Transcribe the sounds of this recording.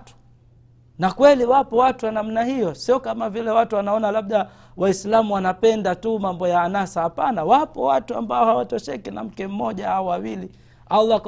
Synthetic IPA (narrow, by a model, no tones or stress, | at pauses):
tu̥ | nakwɛliwapɔwatuwanam̩nahijɔsiɔkamavilɛwatuwanaɔnalaɓ̚ɗa | waislamuwanapɛndatumambɔjaːnasahapanawapɔ̰watua̰mbaɔhawatɔʃɛkina̰m̩kɛm̩mːɔʄahaɔwawili | alːa